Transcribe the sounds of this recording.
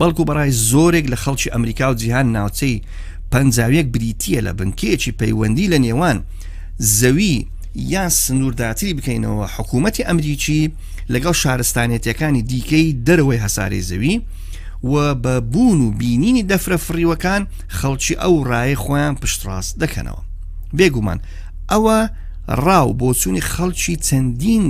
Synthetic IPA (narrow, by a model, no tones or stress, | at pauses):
b̥ɐlˠkubɐrˤaːjzoːɾeklɐxɐlˠt͡ʃiʔɐmɾiːkaːwd͡ʒiɦaːnːaːwt͡sʰej | pɐnd͡ʒaːwjɐk̚bɨɾiːt̪ʰijɐlɐ̰bɨŋkʰejet͡ʃipʰɐjwɐnd̪iːlɐneːwaːn | zɐwi | jaːnsɨnuːɾd̪aːt̪ʰɨɾibɨkɐjnɐ̰wɐħʊkʰuːmɐt̪iʔɐmɾit͡ʃi | lɐɡɐlˠʃaːɾɨst̪aːnjet̪jɐkaːnid̪iːkʰɐjd̪ɐɾɐwɐjɦɐsa̰ːɾḛjzɐ̰wi | wɐbɐbuːnubiːniːnid̪ɐfɾɐfɨriːwɐkaːn | χɐlˠt͡ʃʰiːʔɐwraːjɐjχoːjaːnpɨʃt̪ra̰ːzd̪ɐkʰɐ̰nɐ̰wɐ̰ | beːɡuma̰ːn | ʔɐwɐ | rɑːwboːt͡suːnixɐlˠt͡ʃʰit͡sʰɐnd̪iːn